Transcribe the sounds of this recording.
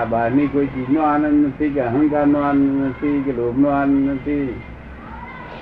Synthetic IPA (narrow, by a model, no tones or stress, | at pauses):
aːbʱaːɾniːkoːit͡ʃiːd͡ʒnoaːnə̃nd̪nət̪ʰikeəɦə̃ŋkaːɾnoaːnəd̪nət̪ʰiːkeloːbnoːaːnə̃nd̪nət̪ʰiː